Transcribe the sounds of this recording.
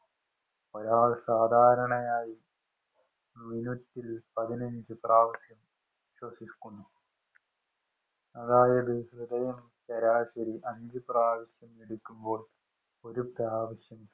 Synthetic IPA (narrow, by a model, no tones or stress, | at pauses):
pɐlaːsaːd̪ʱaːɾɐɳɐjaːji | minutːilpɐðinɐɲd͡ʑɨpraːʋɐɕjɐm | iɕwɐsikːuɳːu | ɐðaːjɐðɨrid̪ɐjɐm | t͡ɕɐɾaːɕɐɾiʔɐɲd͡ʑɨpraːʋɐɕjɐmeɽukʲːumbo̞ːɭ | oɾupaːʋɐɕjɐm